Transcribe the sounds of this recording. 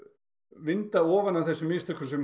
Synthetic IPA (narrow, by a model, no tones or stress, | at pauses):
vɪnt̪aɔːvanawθɛsːʏmːiːst̪ʏkʏsɛm